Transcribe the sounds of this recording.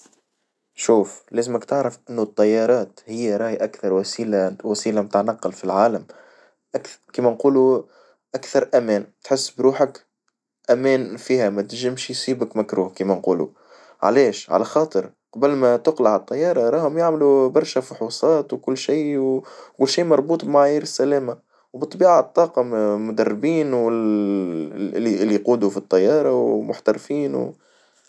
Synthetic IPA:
ʃuːflɛːzɪmɪkt̪ɪʕɾɪfʔɪnːut̪ˤːɑjːɑːɾˤɑːt̪hɪjːaɾˤɑːjʔakθɑɾˤwsiːlawæsiːlamt̪anɑqːɑlfilʕaːləm | ʔakkiːmænquːlu | ʔakθɑɾˤʔæmɛːnt̪ħɪsːbɾuːħək | ʔæmɛːnfiːhæmæt̪ʒɪmʃjsˤiːbəkmækɾuːhkiːmænquːlṵ | ʕa̰lɛːʃʕa̰læxɑːt̪ˤɨɾ | qɑbəlmæt̪ʊqlaʕət̪ˤːɑjːɑːɾˤɑɾˤɑːhʊmjaʕmlubɑɾˤʃæfʊħuːsˤɑːt̪wkʊlːʃiːwkʊlːʃiːmɑɾˤbuːt̪ˤbmaʕajːiːɾɪsːælæːma | wbɨt̪ˤːbiːʕat̪ˤːɑːqɑmʊd̪ɑrːɪbiːnwɪ | liʔɪlːiquːd̪ufit̪ˤːɑjːɑːɾˤɑwmʊħt̪ɑɾfiːnw

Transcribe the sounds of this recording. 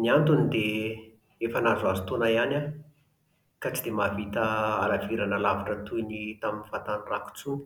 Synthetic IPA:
niant̪unid̪e | efənazazut̪onaiana | kat͡sid̪emavit̪əa̰laviɾanalavaʈ͡ʂət̪ujnit̪aminivat̪aniraku̥t͡sun̥

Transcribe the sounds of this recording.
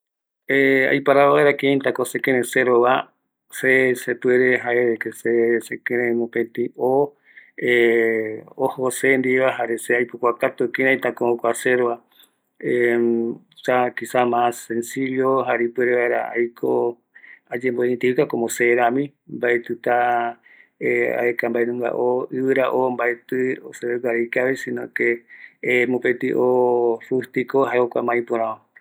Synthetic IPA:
ea̰jpaɾaaeɾakẽnt̪akosekẽɾẽseɾoβa | sesepweɾeɦaekesesekeɾẽmõpet̪io | e | ohosend̪iβaɦaɾeseajpokʷakat̪ukĩnãĩt̪akookʷaseɾoβa | e | sakisamãsensiʎoɦaɾipweɾeβaeɾa̰a̰jkʰo | ad͡ʒemboeĩnt̪eikakomoseɾãmĩ | mbaet̪ɨt̪a | ea̰ekambaenũŋɡa̰ʔoɨβɨɾaʔombaet̪ɨoseɾeɡʷaɾekaβesĩnõke | mũpet̪ɨʔorust̪ikohaeokʷamãĩpõɾão

